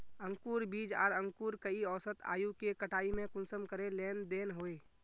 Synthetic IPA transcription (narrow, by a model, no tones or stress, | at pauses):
ə̃ŋkuːɾbiːd͡ʒɔ̰ːɾə̃ŋkuːɾkəiɔːsət̪a̰ːjukekəʈʰaːimẽkʊnsəmkəɾeleːnd̪eːnɦoːeː